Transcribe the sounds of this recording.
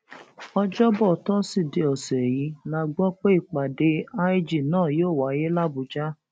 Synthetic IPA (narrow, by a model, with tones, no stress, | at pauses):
ɔ˧d͡ʒɔ˦bɔ˦˨tɔ˦si˦˨de˨˧ɔ˨sɛ˨ji˨˦la˧˦ɡ͡bɔ˦k͡pe˦i˦˨k͡pa˨de˧˦a˦i˦d͡ʒi˨nãː˦˨joː˦˨wa˨˦je˦la˦bu˨d͡ʒa˦